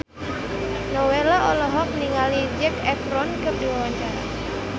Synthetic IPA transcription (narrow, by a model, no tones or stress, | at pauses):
nɔwelaʔɔlɔɦɔk̚niŋalid͡ʒɛkɛfɾɔnkɨrdiwawaɲt͡ʃaɾa̰